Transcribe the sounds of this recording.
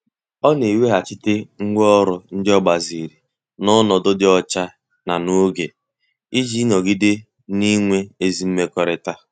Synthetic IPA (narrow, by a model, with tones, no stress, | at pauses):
ɔ˦ne˨we˦ɦa˨t͡ʃɪ˦tɪ˦ŋ̩˦ɡʷɔ˦ɔ˦ɾʊ˨n̩˦dɪ˦ɔ˦ɡ͡ba˨zi˨ɾi˨ | nɔ˦nɔ˨do˦dɪ˦ɔ˦t͡ʃa˦ | na˨no˦ɡe˨ | i˦d͡ʒi˦nɔ˨ɡi˦dɪ˦ | ni˦ŋʷe˦e˦zi˨˦m̩˦me˦kɔ˨ɾɪ˨ta˦